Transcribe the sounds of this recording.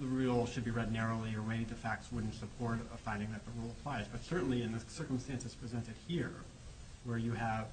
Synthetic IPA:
ðəɹilˠʃɨd̚biɹɛdⁿnɛɹoʊlˠiə˞weɪɾɨd̪̚ðɨfæk̚tswʊdⁿn̩tsəpʰɔɹɾəfãɪ̃ndɪ̃ŋðɨt̪̚ðəɹulˠəpʰl̥aɪzbʌtsɜ˞ʔn̩liɨ̃nðɨsɜ˞kə̃mstæ̃nsɨz̥pʰɹ̥izɛ̃ntɨd̥̚hiɹ | wə˞jɨəv̥

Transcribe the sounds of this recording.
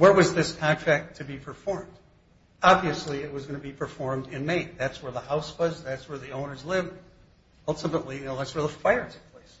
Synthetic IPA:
wə˞wʌzðɪskʰɑ̃ntʰɹ̥æk̚tʰɨbipʰə˞fɔɹmd̥ | ɑbviɨsliɪt̚wʌzɡʌnɨbipʰə˞fɔɹmdɪ̃nmẽɪ̃nðætswə˞ðəhaʊswʌzðætswə˞ðiõʊ̃nə˞zlɪvd | ʌlˠtʰəmə̃nʔliɨnoʊðætswə˞ðəfaɪə˞tʰɨ̥pʰl̥eɪs

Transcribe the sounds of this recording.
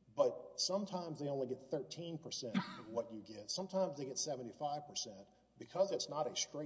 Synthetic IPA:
b̥ʌt̚sʌ̃mtʰãɪ̃mzðeɪõʊ̃nliɡɛt̪̚θɜ˞tʰĩnpʰə˞sɛ̃ntʌwʌt͡ʃɨɡɛtsʌ̃mtʰãɪ̃mzðeɪɡɛtsɛvə̃n̩tifaɪv̥pʰə˞sɛ̃nt | b̥ɨkʰʌzɨtsnəɾɨstɹ̥e

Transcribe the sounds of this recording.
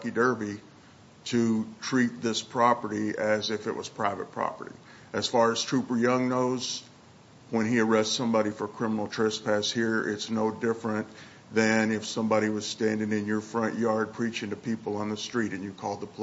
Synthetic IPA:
kidɜ˞bi | ɾɨtʰɹ̥it̪̚ðɪspʰɹ̥ɑpə˞ɾiɨzɪfɨ̰ʔ̚wʌ̰z̥pʰɹ̥aɪvɨ̰t̚pʰɹ̥ɑ̰pə̰˞ɾḭ | ɨz̥fɑɹɨz̥tʰɹ̥ʉpə˞jʌ̃ŋnoʊz | wə̃niə˞ɛstsʌ̃mbɑɾifə˞kʰɹ̥ɪ̃mənl̩ˠtʰɹ̥ɛspʰæshiɹɪ̰tsnoʊdɪfɹɨ̃n | ðɨ̃nɪfsʌ̃mbɑɾiwʌz̥stæ̃ndɪ̃ŋɨ̃njə˞fɹʌ̃nʔjɑɹd̚pʰɹ̥it͡ʃɪ̃ŋtɨpʰipl̩ˠə̃nðəstɹ̥iɾɨ̃njɨkʰɔlˠd̪̚ðəpʰl

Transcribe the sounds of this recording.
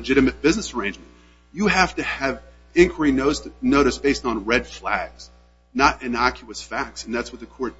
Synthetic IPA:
əd͡ʒɪɾɨmɨt̚b̥ɪznɨsə˞ẽɪ̃nd͡ʒmɨ̃n | jɨɦæftɨːv | ɪ̃nkʰwə˞inoʊsnoʊɾɨsb̥eɪstn̩ɹɛd̥flæɡz̥ | nəɾɨ̃nɑkʰjəɨsfæk̚tsn̩ðætswʌt̪̚ðɨkʰɔɹt̚

